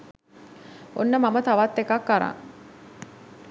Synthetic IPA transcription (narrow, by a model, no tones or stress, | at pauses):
onːəmamət̪aʋat̪ːekakːaɾa̰ŋ